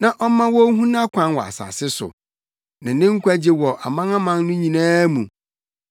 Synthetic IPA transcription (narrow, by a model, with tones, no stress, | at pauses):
nã˨ʔɔ˦mã˦wɔ˦ɦũ˦nã˦kʷʰã˦nwɔ˨a̰˨sa̰ː˨sɪ˦sʊ̰˨ | nã˨nɪ̃˦ŋ̩˦kʷæ˦d͡ʑɪ˦wɔ˨ʔa˨mã˦nã˦mã˦n˦nʊ̃˦ɲĩ˨nãː˦mũ˨